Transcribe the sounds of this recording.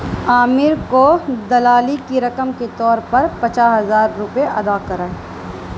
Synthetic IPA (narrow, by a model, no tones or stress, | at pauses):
aːmɪɾkod̪ɐlaːlikiɾɐkəmket̪ɔːɾpɐɾpɐt͡ʃaːɦɐzaːɾːʊpeɐ̰d̪aːkɐɾaːe